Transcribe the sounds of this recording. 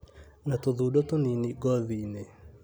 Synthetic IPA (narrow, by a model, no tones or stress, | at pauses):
natoðudɔtoniniɡɔðine